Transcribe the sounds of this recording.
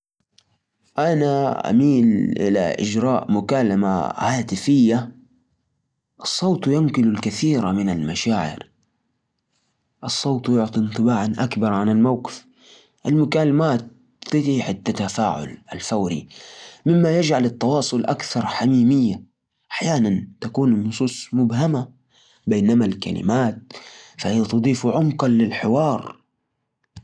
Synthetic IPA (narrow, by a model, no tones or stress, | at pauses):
ʔanaʔa̰miːlʔɪ̰la̰ʔɪ̰d͡ʒɾˤɑːʔmʊkaːlama̰haːt̪ɪfɪjːa | ʔɑsˤːoːt̪ˤjʊmkɪlʊlkaθiːɾamɪnalmaʃaːʕɪ̰ɾ | ʔɑsˤːoːt̪ˤjʊʕt̪ˤint̪ˤɨbaːʕanʔakbɑɾˤʕanalmawqɪ̥f | ʔalmʊkalamaːt̪̚ː | ɪt̪iħɪt̪ːat̪afa̰ːʕʊ̰la̰lfawɾḭmɪmːajad͡ʒʕalɪt̪ːɑwɑːsˤʊlʔakθɑɾˤħamiːmɪjːa | ʔaħjaːnant̪akuːnnʊsˤuːsˤmʊbɦama | beːnamalka̰lɪ̰maːt̪̚fahijat̪ɑd̪ˤiːfʕʊmqɑlɪlħɪwɑːɾˤ